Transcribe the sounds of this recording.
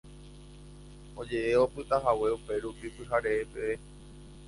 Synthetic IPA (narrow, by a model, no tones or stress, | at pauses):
o̞d͡ʒe̞ʔeo̞pɨt̪aɦawe̞upe̞ɾupipɨɦaɾe̞ːpee